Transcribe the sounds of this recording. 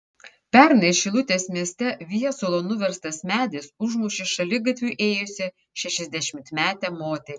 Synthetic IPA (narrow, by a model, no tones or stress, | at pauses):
pʲæɾnɐɪʃʲɪlˠʊt̪ʲeːsmʲiɛsʲt̪ʲɛʋʲijɛsoːlˠonʊʋʲɛɾst̪ɐsmʲæːd̪ʲɪsʊʒmuːʃʲɪʃɐlʲɪɡɐt̪ʲʋʲuʔeːjʊsʲɪ | ʃʲɛʃʲɛzʲd̪ʲæʃʲɪmʲt̪mʲæːt̪ʲɛmoːt̪ʲɛ